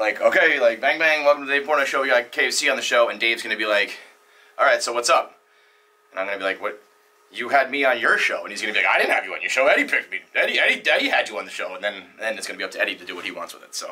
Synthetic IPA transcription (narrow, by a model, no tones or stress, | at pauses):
laɪkʰoʊkeɪlaɪk̚b̥æ̃ŋbæ̃ŋwɛlˠkm̩tʰɨðdeɪv̥pʰɔɹɪ̃ɨʃoʊwjɨɡaɪkʰeɪv̥siɨ̃nðɨʃoʊɨ̃ndeɪvzɡʌnɨbilaɪk | ʔɑlˠɹaɪtsoʊwʌtsʌp̚ | ɨ̃nãɪ̃mɡʌnɨbilaɪkwʌt͡ʃ | ɨɨd̚miə̃njə˞ʃoʊə̃nizɡʌ̃nɨbilaɪkaɪɾɪdⁿn̩hɨvjɨɨ̰̃njə̰˞ʃoʊɛɾipʰɪk̚t̚miɛɾiɛɾidɛɾiɨd͡ʒɨə̃nðɨʃoʊə̃nðɨ̃nðɨ̃nɨtsɡ̥ʌnɨbiʌp̚tʰɨɛɾiɾɨdɨwʌt̚hiwɑ̰̃ntswə̰ðɪ̰tsoʊ